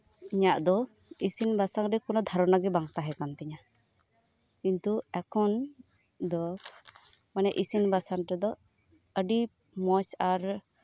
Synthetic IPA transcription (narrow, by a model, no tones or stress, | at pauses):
iɲaʔd̪ɔ | isinbasaŋɾɛkɔnɔd̪ʱaɾɔnaɡɛbaŋt̪aɦɛkant̪ɛɲa | kint̪uɛkʰɔn | d̪ɔ | manɛʔisinbasaŋʈɛd̪ɔ | əɖi | mɔsaɾ